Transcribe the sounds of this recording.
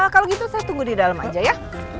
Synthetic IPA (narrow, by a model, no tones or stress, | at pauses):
kaloɡit̪usat̪uŋɡudidalama̰d͡ʒaja